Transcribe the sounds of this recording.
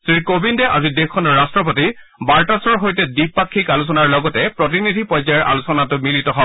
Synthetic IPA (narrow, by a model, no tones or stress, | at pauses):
sɹiɹkobindɛʔa̰zidexʰɔnɔɹːastɹɔp̬oti | baɹtasɔɹɦojtɛdipːakʰːikalus̬ɔnaɹlɔɡɔtɛpɹot̬inidʱipɔjzaɛɹʔa̰lusɔnatʊmilitɔɦɔ